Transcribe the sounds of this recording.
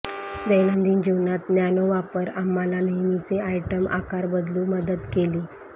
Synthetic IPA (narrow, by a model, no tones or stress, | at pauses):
d̪əjlənd̪iːnd͡ʑiʋnat̪njanoʋapəɾamːalanəjnit͡seajʈəmʔa̰kaɾbəd̪luːməd̪ət̪keliː